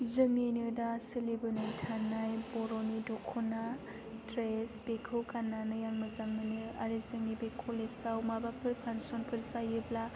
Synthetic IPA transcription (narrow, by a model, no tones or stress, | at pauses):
zɯŋenɯdasɯlibɯnɯjtʰanajbɔɾonidɔkʰɔna | tɾesb̥ekʰɯkanːanɯjaŋmɯzaŋmɯnɯa̰ɾizɯŋnibekʰolesawmabapʰɯɾpʰansɔnpʰɯɾsajɯbla